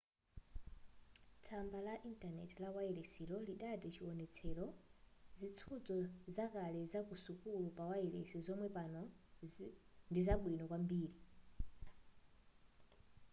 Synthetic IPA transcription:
t͡sʰambalaʔintanɛ̰tilawaɛlɛsilɔliɗatit͡ʃʰiwɔnɛt͡sʰɛlɔzit͡sʰud͡zɔzakalɛzakusukulupawaɛlɛ̰sɛzɔmwɛpanɔ | ndizaɓwinɔkwambiːɾi

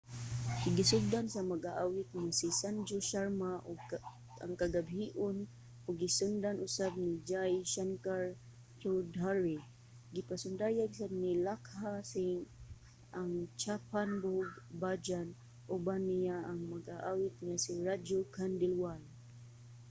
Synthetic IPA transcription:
ɡisʊɡ̚d̪ansamaɡaʔawɪt̪̚ŋasisand͡ʒoʃarmaʔʊ | aŋkaɡabɦiʔʊn | ʊɡːisʊnd̪anʔʊsab̚nid͡ʒajʃaŋkaɾ | t͡ʃudaɾi | ɡipasʊndajaɡsab̚nilakhasi | aŋt͡ʃapanbʊɡbad͡ʒan | ʔʊbanijaʔaŋmaɡʔaʔawɪt̪̚ŋasiɾadokandɛlwal

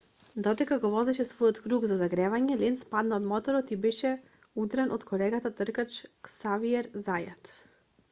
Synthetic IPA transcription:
d̪ɔd̪ɛkaɡɔvɔzɛʃɛsvɔjɔt̪kɾuɡzazaɡɾɛvaɲɛlɛnt̪spad̪naod̪mɔt̪ɔɾɔt̪ibɛʃɛ | ud̪ɾɛnʔot̪kʰɔlɛɡat̪at̪rkat͡ʃksaviɛɾzaja̰t̪

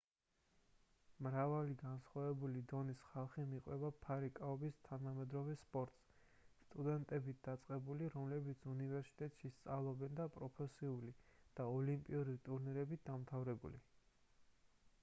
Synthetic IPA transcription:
mɾavaliɡansχwavɛbulid̪ɔnisχalˠχimiqʼwɛbapʰaɾikʼaɔbist̪ʰanamɛd̪ɾɔvɛspʼɔɾt̪ʼs | st̪ʼud̪ɛnt̪ʼɛbit̪̚ʰd̪at̪sʼqʼɛbuliɾɔmlɛbit̪sʰunivɛɾsi̥t̪ʼɛt̪ʼʃist̪sʼalˠɔbɛnd̪apʼɾɔpʰɛsiulid̪̥aɔlimpʼiuɾit̪ʼuɾniɾɛbit̪̚ʰd̪amt̪ʰavɾɛbṵlḭ

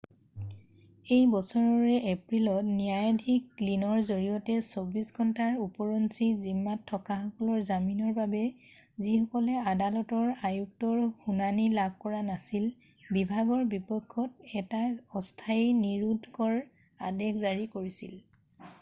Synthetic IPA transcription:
ejbɔsɔɹɔɹɛʔepɹilɔtnijajadʱikːlinɔɹzoɹijɔtɛsobisɡʱɔntaɹupɔɹɔnsizimːatʰːɔkaxɔkɔlɔɹzaminɔɹbabɛ | zihɔkɔlɛadalɔtɔɹajuk̚tɔɹxunanilab̚ʱkɔɹanasil | bibʱaɡɔɹbipɔkʰːɔt̚ɛtaɔstʰajniɹudʱkɔɹ | adekʰzaɹikoɹisil

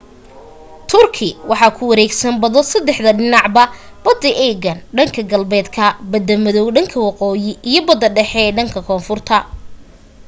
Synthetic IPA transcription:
t̪ʰʊrkʰɪwɑħɑːkʰʊwɐɾɛːɡsɐnbɐðɔsɐd̪ɛħd̪ɐɖɪnɑʕbɐ | b̥ɐd̪ɐʔɛːɡɐnɖɐŋkʰɐɡɐlbɛːd̪kʰɐbɐd̪ɐmɐðɔwɖɐŋkʰɐwɑqɔːjɪʔijɞbɐd̪ɐɖɛħɛːɖɐŋkʰɐkʰɔːnfʊrt̪ʰɐ

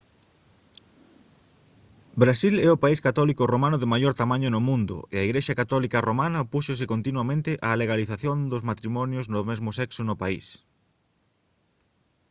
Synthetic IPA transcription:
bɾasilɛʊpaiskat̪ɔlikʊromanʊðɪmajoɾt̪amãɲʊnʊmũnd̪ʊ̰eaiɣɾeʃɐkat̪ɔlikɐromanɐpuʃosɪkont̪inwamẽnt̪ɪʔaleɣaliθaθjond̪ozmat̪ɾimɔnjoznʊmezmʊsɛksonʊpaḭs

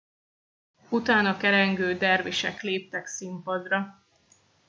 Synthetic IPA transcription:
ut̪aːnɒkɛɾɛŋɡøːd̪ɛrviʃɛ̰kleːp̚t̪ɛksimpɒd̪rɒ

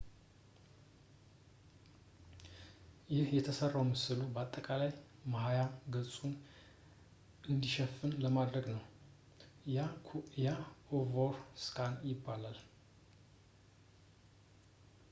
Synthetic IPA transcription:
jɪhjɛt̪ʰəsərːawmɨsɨlubəat̪ʼːəkʼalajmahajamɡəsʼun | ʔɨnd̪iʃɛfːɨnləmad̪ɾəɡnəw | jaovoɾskʰʼanjɪbːalal

